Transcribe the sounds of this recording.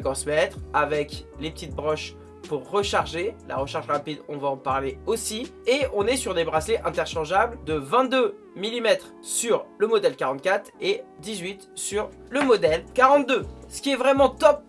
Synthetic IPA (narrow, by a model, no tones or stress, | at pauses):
ɡɑ̃smɛt̪χavɛklepə̥t̪it̪̚bʁɔʃ | puʁːəʃaʁʒelʔa̰ʁəʃaʁʒlɛ̃pid̪ɔ̃vaɑ̃paʁleosieɔ̃nɛsyʁd̪ebʁasleʔɛ̃t̪ɛʁʃɑ̃ʒabld̪əvɛ̃t̪̚d̪ø | milimɛt̪χ | syʁləmɔd̪ɛlkaʁɑ̃t̪̚kʲat̪χed̪izɥit̪syʁ | ləmɔd̪ɛlkaʁɑ̃t̪̚d̪øsə̥kʲiɛvʁɛmɑ̃t̪ɔp̚